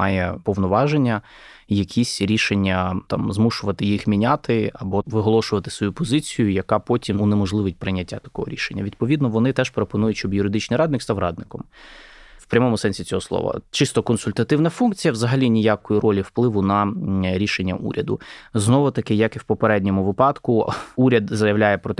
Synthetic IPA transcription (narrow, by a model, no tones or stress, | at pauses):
mɑjɛpɔʋnɔʋɑʒenʲːɐ | jɐkʲʰisʲɾʲiʃenʲːɐt̪ɑ̰mzmuʃʊʋɐt̪ɪjixmʲinʲat̪ɪɐbɔʋɪɦɔlˠɔʃʊʋɐt̪ɪ̥sʋɔjupɔzɪt͡sʲijʊjɐkɑpɔtʲimunemɔʒlˠɪʋɪt̚ʲpɾɪnʲːɐtʲːa̰t̪ɐ̥kɔɦɔ̰ɾʲiʃenʲːɐ̰ʋʲid̪pɔʋʲid̪nɔʋɔnɪt̪ɛʃpɾopɔnujʊʃt͡ʃɔbjʊɾɪd̪ɪt͡ʃnɪjɾɑd̪nɪkst̪ɑwɾɑd̪nɪkɔm | wpɾʲɐmɔmʊsɛnʲsʲit͡sʲɔɦɔslˠɔ̰ʋɐ̰t͡ʃɪst̪ɔkɔnsʊlʲt̪ɐt̪ɪwnɐfunkt͡sʲijɐʋzɐɦɐlʲinʲijakɔjiɾɔlʲiwplˠɪʋʊnɐɾʲiʃenʲːɐ̰ʔṵɾʲɐd̪ʊ̰znɔʋʊt̪ɐkɪjɐkɪwpɔpeɾɛdʲnʲɔmʊʋɪpɑd̪kʊuɾʲɐd̪zɐjɐʋlʲajɛpɾɔt̪